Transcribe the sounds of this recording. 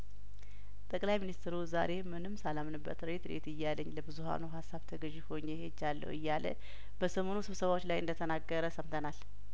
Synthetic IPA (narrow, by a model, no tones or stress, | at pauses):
t̪ʼəkʼlajminist̪ɾuzaɾe̞mɨnɨmsalamnɨbːə̰t̪ɾet̪ɾḛt̪ɨjːalːəɲːləbɨzuha̰nuɦasːaβt̪ʰəɡəʒiho̞ɲːehed͡ʒːalːə̰wɨjːalə̰ | b̥əsəmo̞nusɨβsəβawot͡ʃːlajʔɨnd̪ət̪ʰənaɡːəɾəsəmt̪ʰənal